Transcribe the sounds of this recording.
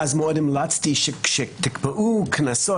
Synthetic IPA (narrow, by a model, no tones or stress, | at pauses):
azmɔːdɪmlat͡sdiːʃɪkʃɪk̚d̪ɪkbəʔuːkʰənasɔ